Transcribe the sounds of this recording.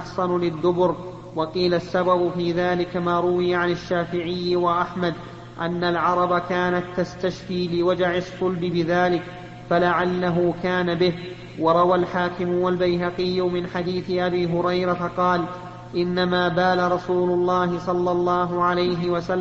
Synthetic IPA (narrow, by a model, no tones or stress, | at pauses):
ħsɑnʊlɪd̪ːʊbʊɾ | wɑqiːlasːababʊfiːðaːlɪkamaːɾˤʊwɪjaʕanɪʃːaːfɪʕɪjːɪwaʔaħmad̪ | ʔanːalʕɑɾˤɑbakaːnat̪ːast̪aʃfiːlɪwad͡ʒaʕɪsˤːʊlbɪbɪðaːlɪk | falaʕalːaɦʊkaːnabɪh | wɑɾˤɑwalħaːkɪmʊwalbajɦaqɪjːʊmɪnħad̪iːθɪʔabiːɦʊɾɑjɾɑtqɑːl | ʔɪnːamaːbaːlaɾˤɑsuːlʊlˤːɑːɦɪsˤɑlːɑlˤːɑːɦʊʕalajɦɪwasalː